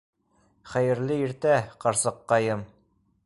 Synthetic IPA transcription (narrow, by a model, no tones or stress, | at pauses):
χæjɘ̆ɾlɘiɾt̪æqɑɾsɤqːɑjɤm